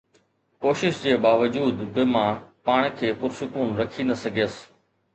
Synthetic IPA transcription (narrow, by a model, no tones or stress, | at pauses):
koːʃɪʃd͡ʑeːbaːʋəd͡ʑuːd̪bɪmãpaːɽ̃kʰeːpʊɾsʊkuːnɾɐkʰinɐsɐɡʱijəs